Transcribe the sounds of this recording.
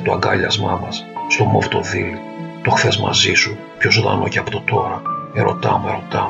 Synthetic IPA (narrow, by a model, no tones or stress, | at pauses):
t̪oɐ̰ŋɡɐʎɐzmɐmɐsːt̪o̞moft̪o̞ðil | t̪o̞xθe̞zmɐ̰zisu | pçozoðɐ̰no̞̰ceɐpo̥t̪ot̪o̞ɾɐe̞ɾo̞t̪ɐmueɾo̞t̪ɐm